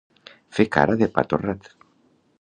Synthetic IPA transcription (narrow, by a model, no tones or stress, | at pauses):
feka̰ɾaðepa̰t̪orat̪